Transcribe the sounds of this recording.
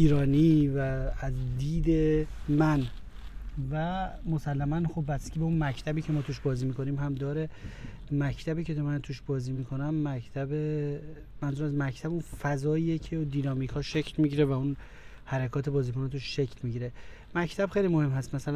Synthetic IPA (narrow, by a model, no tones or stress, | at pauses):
iːɾɒːniːvæːzd̪iːd̪emæn | væmo̞sælːæmænxo̞bːæscʰʲibeunmæcʰt̪ʰæbiːcʰe̞mɒːt̪ʰuːʃbɒːziːmiko̞niːmɦæmd̪ɒːɾe | mæcʰt̪ʰæbiːcʰe̞t̪omænt̪ʰuːʃbɒːziːmiːkʰo̞næmːæct̪ʰæbe | mænzuːɾæsmæcʰt̪ʰæbunfæzɒːiecʰed̪iːnɒːmikʰhɒːʃe̞cʰlmiɟiɾevæun | hæɾekʰɒːt̪ʰe̞bɒːziːkonet̪ʰuʃʃecʰlmiɟiɾe̞ | mæcʰt̪ʰæb̥χxe̞jlimo̞he̞mɦæst̪mæsælæn